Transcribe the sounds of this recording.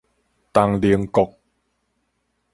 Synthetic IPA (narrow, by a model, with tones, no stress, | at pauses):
t̪a˧ŋli˧əŋko˨˩k̚